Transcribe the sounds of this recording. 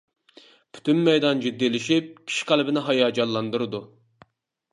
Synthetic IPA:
pʰy̥t̪ynmɛjd̪ɑnd͡ʒyd̪ːilɪʃip̚kʲʰi̥ʃqʰælˠbɪnɪɦɑjɑːd͡ʒɑlˠːɑnd̪uɾɨd̪u

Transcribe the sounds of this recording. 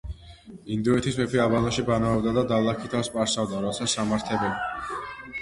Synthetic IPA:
ind̪uɛt̪ʰispɛpʰiabanaʃibanavɛbd̪ad̪ad̪alˠakʰit̪ʰafspʼaɾsavd̪aɾɔt̪sʰasamaɾt̪ʰɛbɛn

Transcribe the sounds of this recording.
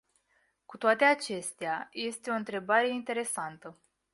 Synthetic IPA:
kut̪oat̪e̞at͡ʃe̞st̪eaje̞st̪e̞o̞ɨnt̪ɾe̞baɾe̞int̪e̞ɾe̞sant̪ə

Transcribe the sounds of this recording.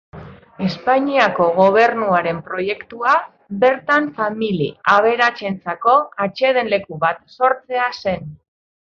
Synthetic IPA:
e̞spaɲiako̞ɣ̞o̞β̞e̞ɾnuaɾe̞mpɾo̞je̞kt̪ua | be̞ɾt̪aɱfamiliaβ̞e̞ɾat͡ʃe̞nt͡sako̞at͡ʃe̞ð̞e̞nle̞kuβat̪̚so̞ɾt͡se̞ase̞n

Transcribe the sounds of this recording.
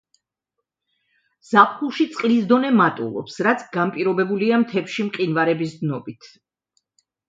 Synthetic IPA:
z̥apχuʃit̪sʼqʼlisd̪ɔnɛmat̪ʼṵlˠɔ̰psɾat̪sʰɡampʼiɾɔbɛbuliamt̪ʰɛpʃimqʼinvaɾɛbisd̪nɔbit̪ʰ

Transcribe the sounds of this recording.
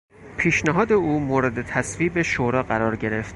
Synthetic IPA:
pʰiːʃnæɦɒːd̪e̞uːmoɾe̞d̪e̞t̪ʰæsviːbeʃoːɾɒːɢæɾɒːɾɟe̞ɾe̞ft̪

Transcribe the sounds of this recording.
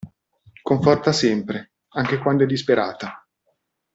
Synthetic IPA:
koɱfɔrt̪asɛmpɾe | aŋk̟ekwand̪oɛd̪ːispeɾʔa̰ːt̪a

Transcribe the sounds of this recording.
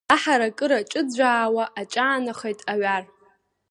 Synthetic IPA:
aħaɾakʼɨɾaʈ͡ʂʼɨd͡zʷaːwaʔat͡ʃʼaːnaχejtʼaɥar

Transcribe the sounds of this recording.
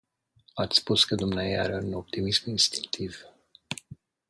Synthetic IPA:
at̪sʲspuskəd̪umneajea̰ɾeuno̞p̚t̪imisminst̪i̥ŋk̚t̪ʰiv̥

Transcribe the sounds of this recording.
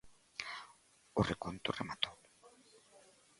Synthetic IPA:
orekont̪uremat̪o

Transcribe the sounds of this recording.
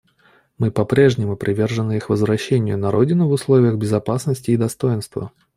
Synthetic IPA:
mɨpɐpɾʲe̞ʐnʲɪmʊpɾʲɪvʲe̞rʐɨnɨixvəzvɾɐɕːenʲɪjʊnɐɾo̞dʲɪnʊvʊslˠo̞vʲɪjəɣbʲɪzɐpasnəsʲtʲɪːd̪ɐst̪o̞jɪnst̪və̰

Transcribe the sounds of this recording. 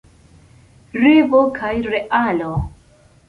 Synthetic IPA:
ɾivokʰajɾeʔalo

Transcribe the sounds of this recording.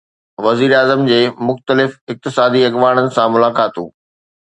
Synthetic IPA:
ʋɐziːɾaːzəmd͡ʑeːmʊxt̪əlɪfɪk̚t̪ɪsaːd̪iɐɣʋaːɽ̃ənɪ̆sãmʊlaːkaːt̪ṵ̃ː

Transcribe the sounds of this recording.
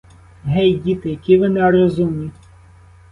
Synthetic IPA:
ɦɛjɟʲit̪ɪjɐkʲiʋɪnɛɾɔzumʲi

